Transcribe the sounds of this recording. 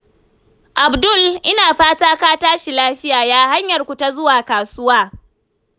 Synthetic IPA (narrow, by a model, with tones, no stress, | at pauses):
ʔa˨bdʊ˦˨lʔɪ˦naː˨ɸaː˦taː˦kaː˦taː˦ʃi˨laː˦ɸɪ˦jaː˨jaː˦ha˦ɲjɐ˨rkʷu˨ta˦zʊ˦waː˨kaː˨sʊ˦waː˦